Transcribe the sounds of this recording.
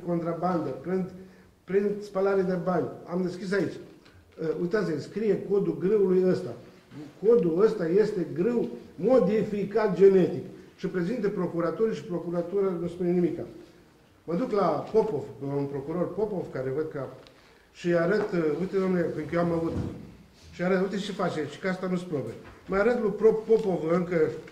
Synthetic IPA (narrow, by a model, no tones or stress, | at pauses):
ko̞nt̪ɾaband̪əpɾin | pɾinspalaɾed̪e̞banʲamd̪e̞skʲis̬ait͡ʃʲ | əujt̪at̪sʲskɾije̞ko̞d̪uɡɾɨulujəst̪a | ko̞d̪uəst̪aje̞st̪e̞ɡɾɨwmo̞d̪ifikat̪̚d͡ʒe̞ne̞t̪ikʃipɾe̞zint̪əpɾo̞kuɾat̪uɾiʃi̥pɾo̞kuɾat̪uɾanuspunenimika | məd̪uklapo̞povunpɾo̞kuɾo̞rpo̞po̞vkaɾe̞vəd̪ka | ʃiaɾət̪ujt̪ed̪omneekɨŋkjoamavut̪ | ʃiaɾət̪ujt̪et͡ʃefat͡ʃeʃi̥kast̪anuspɾobeməaɾət̪lupɾopo̞po̞vəɨŋkə